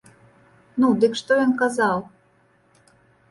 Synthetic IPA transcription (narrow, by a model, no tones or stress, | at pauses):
nud̪ɨkʂt̪ɔjɔnkazaw